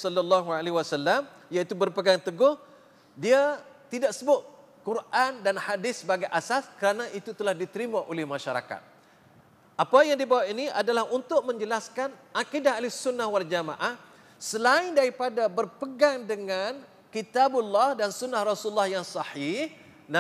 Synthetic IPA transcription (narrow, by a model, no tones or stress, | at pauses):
sɔlːalːaɦualeɦiwasalːam | jait̪ubərpəɡaŋt̪əɡʊh | diat̪idaksəbʊt̪̚ | kuɾʔandanhadɪsːəbaɡajʔasaskəɾanãʔit̪ut̪əlahdit̪əɾimãʔolɪhmãʃaɾa̰ka̰t̪̚ | ʔapajaŋdibawaʔiniʔadalahunt̪ʊʔ̚mə̃ɲd͡ʒəlaskanʔakidaɦalɪsunːahwald͡ʒamã̰ʔah | səlaɪndaɾipadabərpəɡaŋdəŋan | kit̪abʊlːahdansunːahrɑsulːahjaŋsɑhih | na